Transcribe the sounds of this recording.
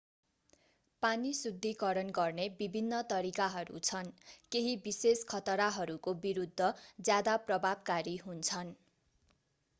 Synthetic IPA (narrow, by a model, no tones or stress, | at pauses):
panisud̪ʱːikʌɾʌnɡʌrnebibʱinːʌt̪ʌɾikaɦʌɾṵt͡sʰʌnkeɦibiseskʰʌt̪ʌɾaɦʌɾukobiɾud̪ʱːʌd͡zjad̪aprʌbʱabkaɾiɦunt͡sʰʌn